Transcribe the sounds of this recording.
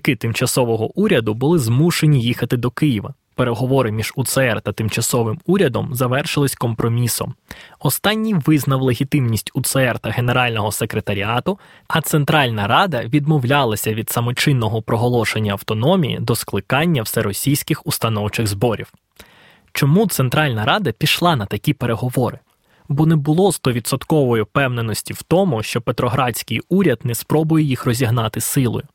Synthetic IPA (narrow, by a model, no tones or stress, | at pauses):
kɪt̪ɪmt͡ʃɐsɔʋɔɦɔʔuɾʲɐd̪ʊbʊlˠɪzmuʃenʲijixɐt̪ɪd̪ɔkɪjiʋɐ̰ | pe̞ɾe̞ɦɔʋɔɾɪmʲiʒ̥ut̪sɛɛrt̪ɐt̪ɪmt͡ʃɐsɔʋɪmuɾʲɐd̪ɔmzɐʋɛrʃɪlˠɪsʲkɔmpɾɔmʲisɔ̰mɔst̪ɑnʲːiʋɪznɐwlˠeɦʲit̪ɪmnʲisʲtʲʊt̪sɛɛrt̪ɐɦe̞ne̞ɾɑlʲnɔɦɔse̞kɾe̞t̪ɐɾʲiɑt̪ʊ | ɐt̪sent̪ɾɑlʲnɐɾɑd̪ɐʋʲid̪mɔwlʲɑlˠɐsʲɐʋʲid̪sɐmɔt͡ʃɪnːɔɦɔpɾɔɦɔlˠɔʃe̞nʲːɐɐwt̪ɔnɔmʲijḭd̪ɔsklˠɪkɑnʲːɐwsɛɾɔsʲijsʲkɪxʊst̪ɐnɔwt͡ʃɪɣzbɔɾʲiw | t͡ʃɔmut̪sent̪ɾɑlʲnɐɾɑd̪ɐpʲiʃlˠɑnɐt̪ɐkʲipeɾe̞ɦɔʋɔɾɪ | bɔnɛbʊlˠɔzt̪ɔʋʲit̪sɔt̪kɔʋɔjʊpɛwnenɔsʲtʲiw̥t̪ɔmʊʃt͡ʃɔpet̪ɾɔɦɾɑt͡sʲkɪjuɾʲɐd̪nɛspɾɔbʊjejixrɔzʲiɦnɑt̪ɪsɪlˠɔ̰jʊ